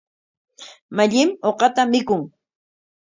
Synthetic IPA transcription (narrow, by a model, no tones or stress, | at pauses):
maʎɪmoqɑt̪amɪkʊŋ